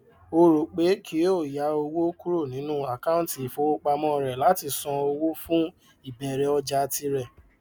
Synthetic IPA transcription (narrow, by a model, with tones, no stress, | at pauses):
o˧ɾo˨k͡pe˨˦kʰi˨˦o˦˨ja˨˧˦o˧wo˦ku˦ɾo˦˨nĩ˨˦nũ˦a˦˨ka˦ũ˦˨ti˨i˨fo˧˦o˦k͡pa˧mɔ̃˦˨ɾɛ˨la˨˦ti˧sɔ̃˧o˧wo˦fũ˦ | i˦˨bɛ˨ɾɛ˨˦ɔ˧d͡ʒa˧ti˧ɾɛ˦˨